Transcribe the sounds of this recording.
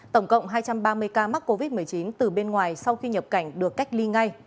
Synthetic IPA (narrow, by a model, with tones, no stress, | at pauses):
t̪ə˧˩wŋ͡mkə̰˧˨wŋ͡mɦaː˧jt͡ɕa˧mɓaː˧mɨ˧əjkaː˧ma˦˥t̚ko˧vi˦˥t̚mɨ˨˩əjt͡ɕi˨˦nt̪ɨ˨˩ɓe˧nŋwaː˨˩jsa˧wxi˧ɲə˨˩p̚ka˧˩jŋ̟ɗɨ˨˩əkːa˦˥jk̚li˧ŋa˧j